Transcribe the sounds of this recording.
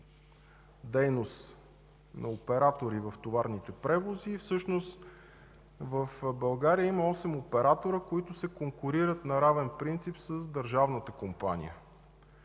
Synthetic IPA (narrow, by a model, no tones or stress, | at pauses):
d̪ɛjnos | nʔɐopɛɾat̪oɾivəft̪ovaɾnit̪ɛpɾɛvoziːfsɤʃnost̪ | vəfbɐlˠɡaɾiəimɐɔsɛmopɛɾat̪oɾəkoit̪ʊsɛkoŋkʊɾiɾət̪nɐɾavɛnpɾint̪sipsəzd̪əɾʒavnət̪əkompa̰nʲḭjə̰